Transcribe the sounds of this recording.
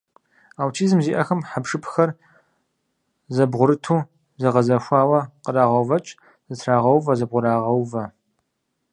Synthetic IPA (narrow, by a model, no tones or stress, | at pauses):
aːwtʰiːzɨmziːʔɐxɐmħapʂɨpʰxɐr | zɐbʁʷʊɾɨtʰuː | zɐʁɐzɐɕʷaːwɐqəraːʁɐwvɐt͡ʃʼ | z̥ɨtʰraːʁɐwvɐzɐbʁʷʊɾaːʁɐwvɐ